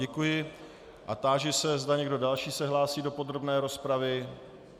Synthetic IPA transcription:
ɛkujɪ | ʔat̪aːʒɪsɛzdaɲɛɡdo̞dalʃiːsɛɦlaːsiːdo̞po̞d̪ɾo̞bnɛːɾo̞spɾavɪ

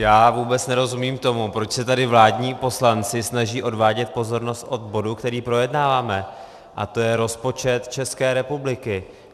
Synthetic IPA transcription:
jaːvuːbɛt͡snɛɾo̞zumiːmt̪o̞mupɾo̞t͡ʃsɛt̪adɪvlaːdɲiːpo̞slant͡sɪsnaʒiːʔo̞dvaːɟɛt̪̚po̞zo̞ɾno̞st̪ʔo̞d̪bo̞dukt̪ɛɾiːpɾo̞jɛdnaːvaːmɛ | ʔa̰t̪o̞jɛɾo̞spo̞t͡ʃɛt̪t͡ʃɛskɛːɾɛpublɪkɪ

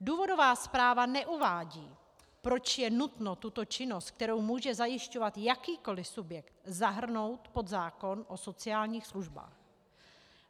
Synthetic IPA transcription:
duːvo̞do̞vaːspɾaːvanɛʔuvaːɟiː | pɾo̞t͡ʃjɛnut̪not̪ut̪o̞t͡ʃɪno̞st̪̚k̚t̪ɛɾo̞wmuːʒɛzajɪʃcovat̪jakiːko̞lɪsubjɛkt̪zaɦr̩no̞wt̪po̞d̪zaːko̞nʔo̞so̞t͡sɪaːlɲiːxsluʒba̰ːx

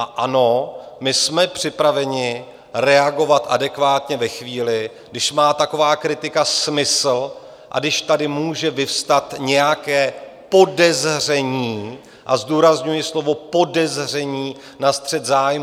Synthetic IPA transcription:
aʔano̞mɪsmɛpr̥ɪpɾavɛɲɪ | ɾɛaɡo̞vat̪ʔadɛkvaːt̪ɲɛvɛxviːlɪɡdɪʃmaːt̪ako̞vaːkɾɪt̪ɪkasmɪsl̩ | ʔa̰dɪʃt̪adɪmuːʒɛvɪfst̪at̪ɲɛjakɛːpo̞dɛzr̝ɛɲiː | ʔazduːɾazɲujɪslo̞vo̞po̞dɛzr̝ɛɲiː | nast̪r̥ɛt̪zaːjm

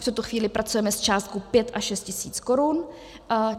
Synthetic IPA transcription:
ft̪ut̪oxviːlɪpɾʔat͡sujɛmɛst͡ʃaːst̪̚kopjɛt̪ʔaʃɛst̪cɪsiːt͡skoɾun

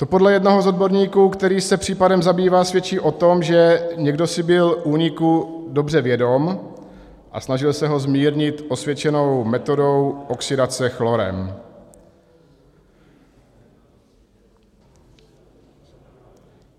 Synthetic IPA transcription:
t̪o̞po̞dlɛjɛdnoɦozo̞d̪̚bo̞ɾɲiːkuːkt̪ɛɾiːsɛpr̝̥iːpadɛmzabiːvaːsvjɛt͡ʃiːʔo̞t̪o̞mʒɛɲɛɡdo̞sɪbɪlʔuːɲɪkudo̞br̝ɛvjɛdo̞m | ʔa̰snaʒɪlsɛɦo̞zmiːɾɲɪt̪ʔo̞svjɛt͡ʃɛno̞wmɛt̪o̞do̞wʔo̞ksɪdat͡sɛxlo̞ɾɛ̰m

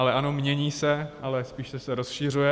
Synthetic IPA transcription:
alɛʔano̞mɲɛɲiːsɛʔalɛspiːʃsɛsɛɾosʃiːr̝ujɛ

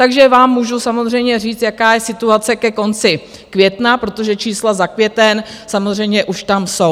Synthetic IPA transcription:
t̪aɡʒɛvaːmːuʒusamo̞zr̝ɛjmɲɛr̝iːt͡st̪jakaːjɛsɪt̪uat͡sɛkɛko̞nt͡sɪ | kvjɛt̪napɾo̞t̪o̞ʒɛt͡ʃiːslazakvjɛt̪ɛnsamozr̝ɛjmɲɛʔuʃt̪amso̞w

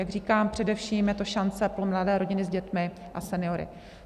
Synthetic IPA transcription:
jaɡr̝iːkaːmpr̥ɛdɛfʃiːmjɛt̪o̞ʃant͡sɛpɾomladɛːɾo̞ɟɪnɪzɟɛt̪mɪ | ʔasɛnɪjo̞ɾɪ̰

